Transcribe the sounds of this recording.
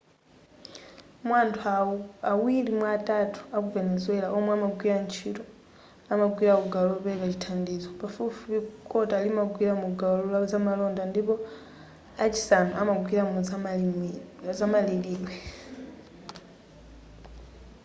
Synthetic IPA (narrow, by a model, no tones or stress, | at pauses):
mwantʰuauawilimwaːtʼatʰu̥ak̬uvɛnɛzwɛlaʔɔmwɛamaɡwiɾant͡ʃʰitɔ | amaɡwiɾakuɡalɔlɔpɛkat͡ʃi̥tʰandiːzɔpafufupikʼɔtalimaɡwiɾamuɡalɔlazamalɔndandipɔ | at͡ʃʰi̥sanuʔamaɡwiɾamuza | zamaliliːlwɛ